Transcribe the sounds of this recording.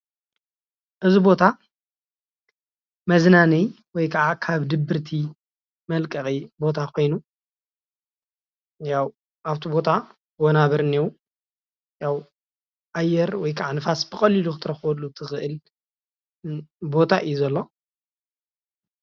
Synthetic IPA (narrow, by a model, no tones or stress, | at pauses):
ʔɨzibo̞t̪ʰa | mɐznanij | wɔjkʰɐʕakʰaβd̪ɨbːɨɾt̪ʰi | mɐlkʼɐχʼibo̞t̪ʰakʰo̞jnu | jaw | ʔaβt̪ʰibo̞t̪ʰa | wonaβɐɾɨniw | jaw | ʔajːɛɾwɔjkʰɐʕanɨfasb̥ɨkʼɐlilukʰɨt̪ʰɨɾɐxwɐlːut̪ʰɨxɨʔɨl | bo̞t̪ʰaʔɨjuzɐlːo̞